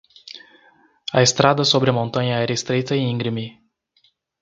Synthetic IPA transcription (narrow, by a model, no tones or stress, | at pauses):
ɐest̪ɾad̪ɐsobɾɪɐmõnt̪ɐ̃ɲɐɛɾɐest̪ɾejt̪ɐɪ̃ĩŋɡɾimi